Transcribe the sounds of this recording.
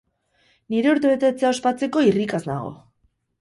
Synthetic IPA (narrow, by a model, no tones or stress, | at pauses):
niɾe̞uɾt̪e̞βe̞t̪e̞t͡seao̞spat͡se̞ko̞irikazna̰ɣo̞̰